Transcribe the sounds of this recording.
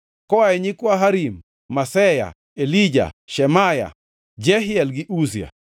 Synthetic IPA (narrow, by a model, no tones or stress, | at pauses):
kɔaɛɲikwaɦaɾimː | asɛja̰ | elid͡ʒa̰ʃɛmaja̰ | d͡ʒɛɦɪɛlɡɪʔusia̰